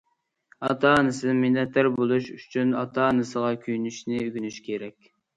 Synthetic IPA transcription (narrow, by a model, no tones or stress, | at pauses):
ɑt̪ʰɑnɨsɨminɛt̪ːæɾbolˠuʃyt͡ʃʰynɑt̪ʰɑnɨsəʁɑkʲʰyjnyʃnɪyɡʲynyʃkʲʰeɾɛkʲ